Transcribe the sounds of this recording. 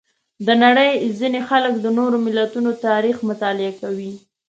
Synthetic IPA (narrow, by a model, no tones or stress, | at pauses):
d̪ənaɽəjzinexalək̚d̪ənoɾomɪlːat̪unot̪ɑɾixmʊt̪ɑlɪakawi